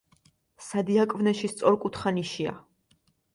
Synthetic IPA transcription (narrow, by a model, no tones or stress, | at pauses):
sad̪iakʼvnɛʃist̪sʼɔɾkʼut̪ʰχaniʃia̰